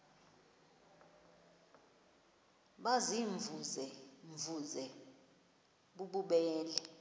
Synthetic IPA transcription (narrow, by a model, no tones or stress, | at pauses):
ɓaziɱvuzɛɱvuzɛ | ɓuɓuɓɛːlɛ